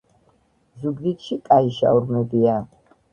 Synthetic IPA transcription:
zuɡd̪it̪ʃikʼaiʃa̰wɾmɛbia

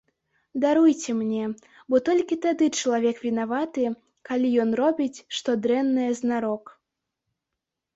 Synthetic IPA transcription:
d̪aɾujt͡sʲɛmnʲɛ | bɔt̪ɔlʲkʲit̪ad̪ɨt͡ʂɐlˠavʲɛkvʲinavat̪ɨ | kalʲijɔnrɔbʲit͡sʲʂt̪ɔd̪ɾɛnːɐjɛznaɾɔk

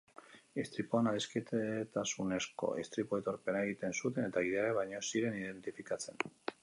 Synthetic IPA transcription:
ist̪ɾipoanaðisket̪et̪asune̞sko̞̰ist̪ɾipoet̪o̞ɾpe̞naeɣit̪e̞nsut̪e̞ne̞t̪aɣiðeaɾeβajɲo̞siɾe̞nið̞e̞nt̪ifikat͡se̞n

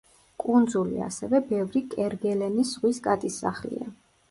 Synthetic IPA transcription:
kʼund̪zulḭa̰sɛvɛbɛvɾikʼɛɾɡɛlɛnisʁwiskʼat̪ʼisːa̰χlḭa̰

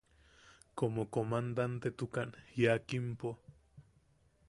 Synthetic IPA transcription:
komokomand̪ant̪et̪ukanhjakimpo

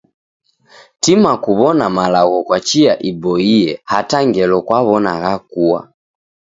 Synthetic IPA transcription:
timakuβɔnamalaɣɔkwat͡ʃiaʔibɔiɛhataŋɡɛlɔkwaβɔna̰ɣakuwa̰

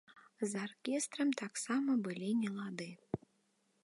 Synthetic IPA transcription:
zarkʲɛst̪ɾɐmt̪aksamɐbɨlʲinʲɛlˠad̪ɨ

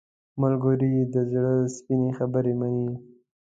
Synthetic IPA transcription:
malɡoɾid̪əzɽəspinexabəɾemani

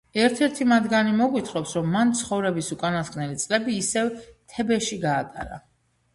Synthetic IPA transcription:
ɛɾt̪ʰɛɾt̪ʰimad̪ɡanimɔɡwit̪ʰχɔpsɾɔmːant̪sʰχɔvɾɛbisukʼanaskʼnɛlit̪sʼlɛbiːsɛvt̪ʰɛbɛʃiɡaːt̪ʼa̰ɾa̰

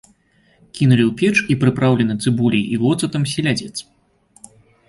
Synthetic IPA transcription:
kʲinulʲiwpʲɛt͡ʂipɾɨpɾawlʲɛnɐt̪sɨbulʲijivɔt̪sɐt̪ɐms̬ʲilʲad͡zʲɛt̪s

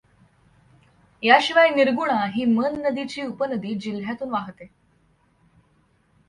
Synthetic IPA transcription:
jaɕiʋajniɾɡuɽ̃aɦiːmənːəd̪it͡ɕiːupənəd̪iːd͡ʑil̤jat̪uːnʋaɦt̪e

